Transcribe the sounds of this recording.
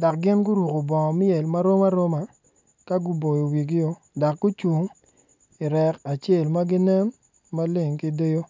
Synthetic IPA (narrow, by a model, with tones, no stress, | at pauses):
da˨k̚ɡɪ˦nɡʊ˦ɾu˨ko˨bɔ˨ŋɔ˨mɪ˦e˨lma˦ɾo˦ma˦ɾo˦ma˨ | ka˦ɡu˦bo˨jo˨wi˨ɡɪ˦jo˦ | da˨k̚ɡu˦t͡ʃu˨ŋ | i˨ɾɛ˨ka˨t͡ʃe˦˨lma˦ɡɪ˦nɛ˦mː | a˦le˦˨ŋki˦de˦jo˦